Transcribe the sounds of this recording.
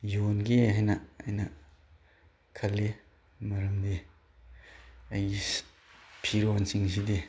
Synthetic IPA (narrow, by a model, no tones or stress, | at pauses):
jonɡiɦajnɐɐjnɐ | kʰɐlːi | mɐɾɐmdi | ɐjɡi | pʰiɾonsiŋs̬idi